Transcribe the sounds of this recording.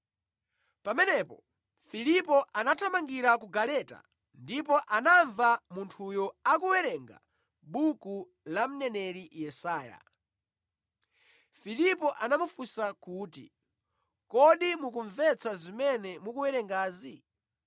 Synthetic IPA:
pamɛnɛpɔ̰ | filipɔʔanatʰamaŋɡiɾakuɡalɛta̰ | ndip̬ɔʔanaɱvamuntʰujɔakuwɛɾɛŋɡa̰ | ɓuku | lam̩nɛnɛɾijɛsaːja̰ | filipɔʔanamufusakuːtḭ | kɔɗimukuɱvɛt͡sʰazimɛnɛmukuwɛɾɛŋɡaːzi

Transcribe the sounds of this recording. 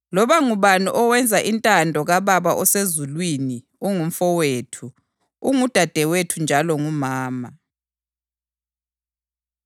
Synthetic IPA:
lɔβaŋuβanṵʔɔwɛnd͡zʱaʔintʼandʱɔɣaβaβaʔɔsezulwini | uŋum̩fɔwetʰu | uŋud̥ʱad̥ʱɛwetʰund͡ʒʱalɔŋumaːma

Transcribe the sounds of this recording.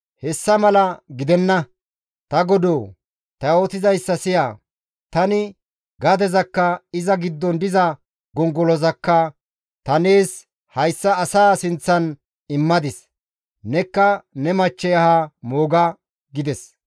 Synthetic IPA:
hɛsːɐmɐlɐɡɪd̪ɛnːɐ | t̪ɐɡɔd̪oː | t̪ɐo̞ːt̪ɪzɐjsːɐsɪjaː | t̪ɐnɪ | ɡɐd̪ɛzɐkːɐɪzɐɡɪd̪ːɔnd̪ɪzɐ | ɡɔŋɡɔlɔzɐkːɐ | t̪ɐne̞ːs | hɐjsːɐːsaːsɪnt͡sːɐn | ɪmːɐd̪ɪs | nɛkːɐnɛmɐt͡ʃːɛjɐhamoːɡɐ | ɡɪd̪ɛs

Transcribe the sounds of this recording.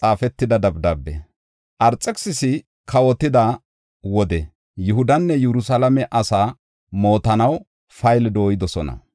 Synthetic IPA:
t͡sʼaːfɛt̪ːɪd̪ɐd̪ɐbd̪ɐbːɛ̰ | ʔɐɾt͡sʼɛksɪsɪ | kʰɐwɔt̪ːɪd̪ɐ | wɔd̪ɛ | jʊɦʊd̪ɐnːɛjɛɾʊsalɐmɛʔɐsaː | mo̞ːt̪ɐnɐw | fɐjld̪o̞ːjɪd̪ɔsɔnɐ̰

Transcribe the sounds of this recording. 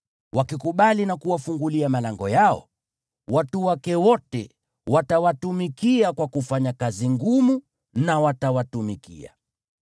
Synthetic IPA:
wʔakikuɓalinakuwafuŋɡuliamalaŋɡɔjaɔ̰ | watuwakɛwɔtɛ̰ | watawatumikiakwakufaɲakaziŋɡumu | nawatawatumikḭa̰

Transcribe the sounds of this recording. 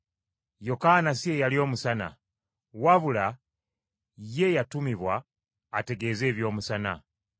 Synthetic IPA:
jo̞kanasiejalio̞ːmusana̰ | waβula | je̞jatumiβwaː | te̞ɡe̞ze̞ːβjo̞ːmusana̰

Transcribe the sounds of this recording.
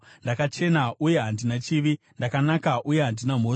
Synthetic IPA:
ndakat͡ʃe̞nauje̞ɦandinat͡ʃiʋi | ndakanakaʔuje̞ɦandinam̤o̞

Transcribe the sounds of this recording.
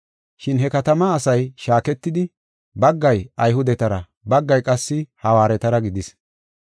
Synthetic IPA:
ʃɪnɦɛkɐt̪ɐmɐːsɐjʃaːkɛt̪ːɪd̪ɪ | bɐɡːɐjɐjhʊd̪ɛt̪ɐɾɐ | bɐɡːɐjkʼɐsːɪhɐwaːɾɛt̪ɐɾɐɡɪd̪ɪs

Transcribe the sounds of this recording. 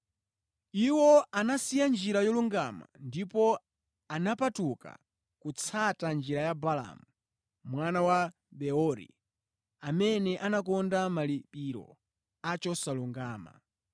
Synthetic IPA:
iwɔanasijand͡ʒiɾajɔluŋɡama̰ndipɔ | anapatuka̰ | kut͡sʰatand͡ʒiɾajabala̰mu | mwanawa | bɛɔɾḭ | amɛnɛʔanakɔndamalipiɾɔ̰ | at͡ʃɔsaluŋɡaːma̰

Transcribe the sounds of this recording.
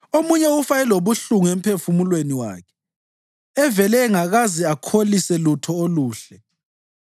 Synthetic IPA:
omuɲɛufaɛloβuɬuŋem̩pʰefumulweniwa̰ːkʰɛ | ɛvɛlɛŋaɣaziakʰolisɛlutʰɔoluːɬɛ

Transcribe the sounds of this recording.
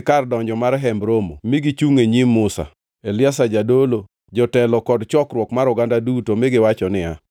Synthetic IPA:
kardɔɲd͡ʒɔmaɾɦɛmbɾomo̰mɪɡit͡ʃuŋeɲimːʊsa̰ | elɪasad͡ʒadolo | d͡ʒɔtɛlɔkɔdt͡ʃɔkɾwɔkmaɾʊɡandadutomɪɡɪwat͡ʃɔnɪa

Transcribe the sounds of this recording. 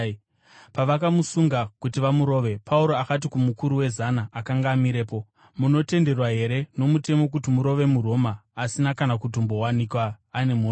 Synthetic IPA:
paʋakamusuŋɡakutiʋamuɾo̞ːʋe̞pʰauɾo̞akat̬ikumukuɾuwe̞zanaakaŋɡaːmiɾe̞ːpo̞ | muno̞te̞nde̞rwaɦe̞ɾe̞no̞mute̞mo̞k̬utimuɾo̞ʋe̞muro̞maːsinakanakut̬ombo̞wanikwaː | ne̞mu

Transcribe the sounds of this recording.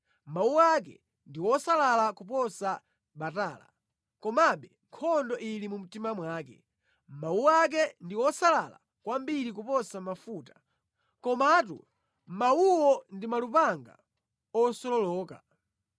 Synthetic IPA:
mauak̬ɛ̰ | ndiwɔsalalakupɔsa | ɓataːla̰ | kɔmaɓɛŋkʰɔndɔʔilimum̩timamwaːkɛ̰ | mawuak̬ɛndiwɔsalala̰ | kwambiɾik̬upɔsamafuːtḁ | kɔmat̬ṵ | mauwɔndimalupaŋɡa̰ | ɔsɔlɔlɔːka̰

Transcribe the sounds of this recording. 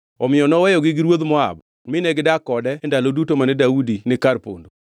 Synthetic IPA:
ɔmɪjɔnɔwɛjɔɡɪɡɪɾwod̪mɔa̰b | mɪnɛɡɪdakɔdɛndalodutomanɛdaudinɪkaɾpo̰ndo

